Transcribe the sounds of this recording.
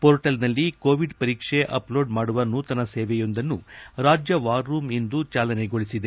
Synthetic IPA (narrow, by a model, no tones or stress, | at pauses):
poːɾʈɐlnɐlːiko̞ːʋiɖpɐɾiːkʂeʔɐ̰plo̞ːɖmaːɽuʋɐnːut̪ɐnɐseːʋɛjo̞nd̪ɐnːuɾaːd͡ʒjɐʋaːɾːuːmend̪ut͡ʃaːlɐneɡo̞ɭisid̪e̞